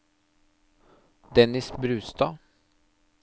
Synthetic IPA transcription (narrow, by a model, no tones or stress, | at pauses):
d̪ɛnɪsbɾʉːst̪ɑː